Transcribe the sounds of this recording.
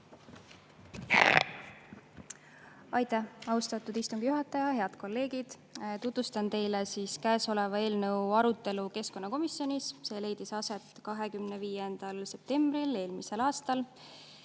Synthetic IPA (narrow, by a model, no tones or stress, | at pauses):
ɑjt̪æhɑwst̪ɑt̪ːud̪ist̪uŋɡ̥ijuɦɑt̪ːˑɑjɑɦeɑd̪̥ko̞lːe̞ːɡ̥id̪̥ | t̪ut̪vust̪ɑnt̪e̞jlesiːskæːso̞le̞vɑe̞ːlnɤ̞wɑɾut̪ˑːe̞luke̞sko̞nːɑko̞misːio̞nʲisse̞ːle̞jd̪̥isɑse̞t̪ːˑkɑɦe̞kymneviːje̞nd̪̥ɑlse̞p̚t̪e̞mb̥rile̞ːlmise̞lɑːst̪ɑl